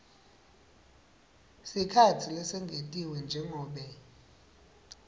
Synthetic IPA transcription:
sikʰatʰilɛsɛŋɡʱetʼiwɛnd͡ʒʱɛŋʱɔːɓɛ

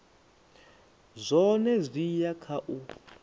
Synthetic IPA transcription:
zʷɔnɛzʷijakʰaʔu

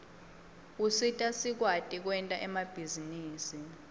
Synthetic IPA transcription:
usitʼasik̬watʼik̬wɛntʼaʔɛmab̥ʱiziniːsi

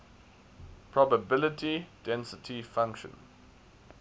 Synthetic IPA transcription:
pʰɹ̥ɔbəbɪlɪtʰid̥ɛ̃nsɪtʰifãŋkʃə̰̃n

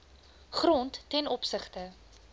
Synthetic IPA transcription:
χrɔntːɛnɔpsəχtə

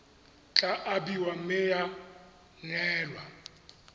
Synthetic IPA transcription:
t͡ɬʼaʔabiwam̩mɪja | ŋɛːlwa

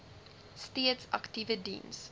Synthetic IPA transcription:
stetsa̰ktivədḭns

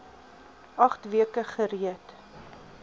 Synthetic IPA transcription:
ɐχtviəkəχəriət

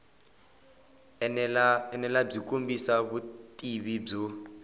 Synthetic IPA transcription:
ɛnɛlab͡ʐikumbisaβutʼiβib͡ʐɔ

